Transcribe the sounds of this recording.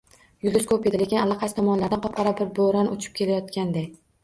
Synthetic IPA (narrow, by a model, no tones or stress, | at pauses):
jʊlˠɪskoped̪ɪlekʲɪnalˠːɑqʰɑst̪ʰɒmɒnlaɾd̪anqʰɒp̚qʰɑɾabɪɾboɾanot͡ʃʰɪ̥p̚kʲʰe̞lajɒt̪̚kʲand̪ej